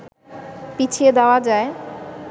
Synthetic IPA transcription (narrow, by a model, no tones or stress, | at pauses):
pit͡ɕʰied̪aoad͡ʑae